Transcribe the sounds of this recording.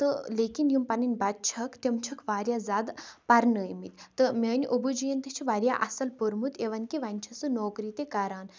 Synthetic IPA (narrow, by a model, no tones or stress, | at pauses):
t̪ɨleːkinjumpɐnɐnʲbɐt̪̚t͡ʃʰɐkt̪ʲɐmt͡ʃʰɐkʰʋaːɾʲjazaːd̪pɐɾnəjmit̪t̪ɨmʲɐːnʲʔubud͡ʒijɐnt̪ɐt͡ʃʰiʋaːɾʲjaʔɐsɐlpuɾmut̪eʋɐnkiʋɐnʲt͡ʃʰɐsɨnoːkɾit̪ekɐɾaːn